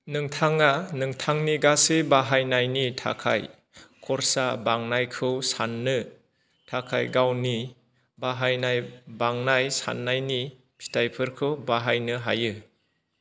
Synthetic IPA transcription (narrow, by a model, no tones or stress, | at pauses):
nɯŋtʰaŋanɯŋtʰaŋniɡasebaɦajnajnitʰa̰kʰa̰j | kʰɔɾsabaŋnajkʰɯwsanːɯ | tʰakʰa̰jɡawni | baɦajnajbaŋnajsa̰nːajni | pʰi̥tʰajpʰɯɾkʰɯwbaɦajnɯɦa̰jɯ